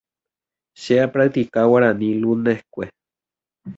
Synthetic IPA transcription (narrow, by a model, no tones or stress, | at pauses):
ʃeapɾak̚t̪ikawaɾanĩlunehkʷe